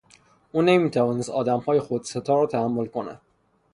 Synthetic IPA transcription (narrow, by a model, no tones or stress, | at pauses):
uːnemiːt̪ʰævɒːnest̪ɒːd̪æmhɒːjexod̪set̪ʰɒːɾɒːt̪ʰææmːolkonæ̰d̪